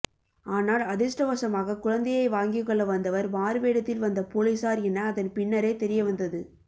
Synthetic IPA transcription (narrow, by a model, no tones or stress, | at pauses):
aːnaːlɐðɪsʈɐʋɐsɐmaːɣɐkʊɻɐnd̪ɐjɐɪʋaːŋɡɪkːɔɭːɐʋɐnd̪ɐʋɐɾmaːɾɯʋeːɽɐt̪ːɪlʋɐnd̪ɐpoːɭisaːɾɛnːɐːðɐnpɪɳːɐɾeːt̪ɛɾɪjɐʋɐnd̪ɐðɯ